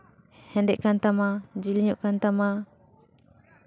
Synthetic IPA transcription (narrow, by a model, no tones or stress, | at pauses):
hɛndɛʔkant̪amad͡ʒiliɲuʔkant̪ama